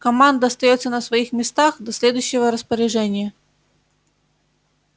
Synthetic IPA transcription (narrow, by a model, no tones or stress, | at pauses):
kɐmand̪ɐɐst̪ɐjɔt̪sʲːɐnɐsʋɐjixmʲɪst̪axd̪ɐsʲlʲɛd̪ʊjɕːɪʋɐɾɐspɐɾʲɪʐɛnʲɪjɐ